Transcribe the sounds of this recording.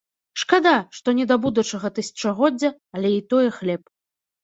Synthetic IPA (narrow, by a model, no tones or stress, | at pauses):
ʂkad̪aʂt̪ɔnʲɛd̪abud̪ut͡ʂɐɣɐt̪ɨsʲɐ̥t͡ʂɐɣɔd͡zʲːɐ | ɐlʲɛit̪ɔjɛxlʲɛp